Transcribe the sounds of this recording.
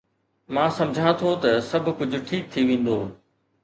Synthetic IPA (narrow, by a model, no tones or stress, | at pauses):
mãːsɐ̃md͡ʑʱãt̪ʰot̪ɐsɐbʱʊkʊd͡ʑʱʊ̆ʈʰiːk̚t̪ʰiʋẽːn̆d̪oː